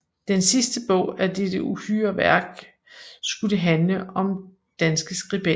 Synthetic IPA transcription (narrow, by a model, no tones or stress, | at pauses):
d̥ensisd̥əb̥ɔ̽ʊ̰æd̥ed̥əuhy̰ːɐʋæɐɡ̥ | sɡ̥udeɦænləʔɒ̽m | d̥ænsɡ̥əsɡ̥ʁib̥e